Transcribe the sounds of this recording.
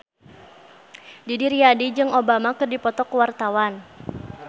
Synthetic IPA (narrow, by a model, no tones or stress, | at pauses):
didiɾiadid͡ʒɨŋobamakɨrdipɔt̪ɔkuwart̪awan